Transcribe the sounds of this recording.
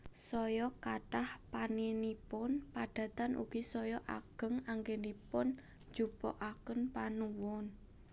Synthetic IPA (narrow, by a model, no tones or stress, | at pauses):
sɔjɔkaʈahpaninipʊnpad̥ä̤t̪anʔṵɡ̥isɔjɔʔa̰ɡ̥ə̤ŋaŋɡenipʊn | d͡ʒ̥ub̥ɔ̰ʔakənpanuwɔn